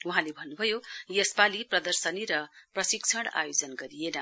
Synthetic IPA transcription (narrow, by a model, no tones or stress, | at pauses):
uɦãlebʱʌnːubʱʌjojʌspaliprʌd̪ʌrsʌniɾʌprʌsikt͡sʰʌɽa̰jod͡zʌnɡʌɾijenʌ